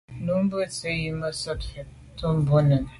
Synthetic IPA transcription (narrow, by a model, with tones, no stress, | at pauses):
nu˨˦m̩˦bə˦˨t͡se˦ji˦mə˦sɔ˦tfe˨ | to˦m̩˦bu˦nə˨